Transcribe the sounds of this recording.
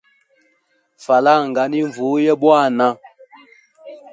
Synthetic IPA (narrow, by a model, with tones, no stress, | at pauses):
fa˨la˦˨ŋ˨ɡa˨˦ni˦ɱ˨vu˨˦jɛ˦bwa˦˨na˦